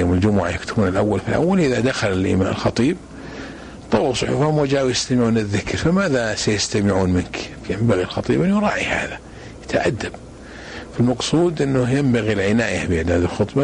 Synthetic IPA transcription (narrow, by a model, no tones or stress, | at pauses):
joːmɪld͡ʒʊmʊʕajakt̪ʊbuːnɪlʔawːalfilʔa̰wːalʔɪðad̪axalɪlʔḭma̰ːnlxɑt̪ˤiːb̚ | t̪ˤɑlsˤʊħṵːfʊmwad͡ʒaːʔwjɪst̪amɪʕuːnɪðːɪkɾfamaːðasajɪst̪amɪʕuːnmɪnk | jɪmbaɣilxɑt̪ˤiːbɪnjʊɾˤɑːʕiha̰ːða | jɪ̥t̪ʰaʕa̰d̪ːab̚ | falmɑqsˤuːd̪ʔɪnːʊjɪmbaɣilʕɪnaːjabɪɪʕd̪aːd̪ɪlxɨt̪ˤbɑ